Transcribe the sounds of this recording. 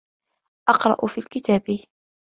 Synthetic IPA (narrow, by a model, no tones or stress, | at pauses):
ʔɑqɾˤɑ̰ʔʊfiːlkɪt̪aːbɪ